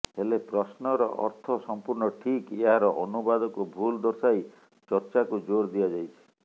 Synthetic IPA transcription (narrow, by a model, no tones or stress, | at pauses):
ɦelepɾɔsnɔɾɔ̰ʔɔ̰ɾt̪ʰɔsɔmpuɾɳɔʈʰikeɦaɾɔʔɔnubad̪ɔkubʱuld̪ɔɾsaj | t͡ʃɔɾt͡ʃakud͡ʒoɾd̪iad͡ʒajt͡ʃʰi̥